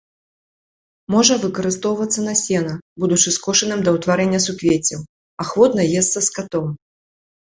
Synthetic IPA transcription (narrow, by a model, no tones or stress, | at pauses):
mɔʐɐvɨkɐɾɨst̪ɔwvɐt̪sːɐnɐsʲɛnɐbud̪ut͡ʂɨskɔʂɨnɨmd̪ɐwt̪vaɾɛnʲːɐsukvʲet͡sʲiw | ɐxvɔd̪nɐjɛst̪sɐskat̪ɔm